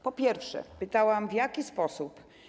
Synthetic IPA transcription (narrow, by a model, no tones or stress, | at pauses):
pɔpʲjɛɾfʂɛ̰pɘt̪awamvʲjakʲispɔsup